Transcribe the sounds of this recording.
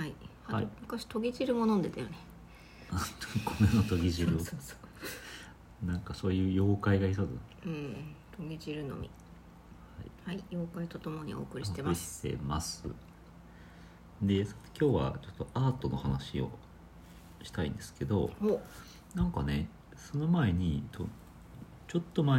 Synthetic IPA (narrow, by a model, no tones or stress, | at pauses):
haihaimɯ̟kaɕi̥t̪o̞ɡʲiʑiɾɯ̟mo̞nõnd̪e̞t̪ajone | at̪okʰomenot̪o̞ɡʲiʑiɾɯ | nãŋkaso̞ːjɯ̟ːjo̞ːkaiɡais̬ozɨ̰ɯ̟̃ɴt̪o̞ɡʲiʑiɾɯ̟no̞̰mʲḭ | hhaḭhaijoːkait̪ot̪omo̞ɲ̟io̞̰ːkɯ̟ɾiiot̪emiɕi̥t̪e̞̰masɨ̰ | d̪e̞sot̪e̥kʲo̞ːβa̰t͡ɕo̞t̪ːo̞ʔaːt̪o̞no̞hanaɕio̞̰ | ɕi̥t̪aḭ̃nd̪̥e̞sɨ̥ke̞d̪o̞hoː | nãŋkane̞ | so̞no̞mae̞ɲ̟it̪ʰo̰ | t͡ɕo̞t̪ːo̞ma